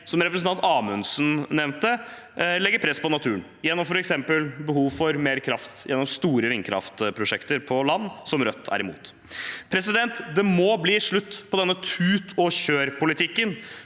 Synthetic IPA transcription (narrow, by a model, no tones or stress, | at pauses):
sɔmɾɛpɾəsn̩ɑnt̪ɑːmʉnsn̩nɛʋnt̪ə | lɛɡəɾpʰɾɛspɔnɑt̪ʰʉːn | jɛnːɔmfɔɾɛksɛmpəlbəɦuːʋfɔɾmeːɾkʰɾɑft̪jɛnːɔmst̪uːɾəɾɪŋkʰɾɑ̰ft̪pʰɾʊʂɛkt̪əɾpʰɔlɑnːsɔmɾœt̪ʰːæ̰ɾɪmṵːt̪ | pʰɾɛsɪd̪ɛnt̪d̪ɛmɔbliːʂɭʉt̪ːpʰɔd̪ɛnːət̪ʰʉːt̪ʰɔɕøːɾpʰʊlɪt̪ʰɪkːən